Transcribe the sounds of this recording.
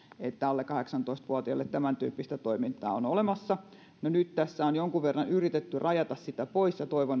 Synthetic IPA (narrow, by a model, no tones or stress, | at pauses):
et̪ːæɑlːekɑheksɑnt̪oist̪ʋuɑt̪iɑlːet̪t̪æmænt̪y̰ːpːist̪æt̪oimint̪ɑ̰ːonolemɑsːɑ | nonyt̪t̪æsːæonjoŋkuʋʋerːɑnyrit̪et̪ːyrʔɑjɑt̪ɑssit̪æpoisjɑt̪oiʋon